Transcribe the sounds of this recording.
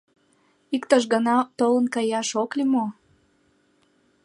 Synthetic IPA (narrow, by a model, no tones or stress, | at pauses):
ikt̪əʃɣənɑt̪olə̆nkɑjɑʃoklimo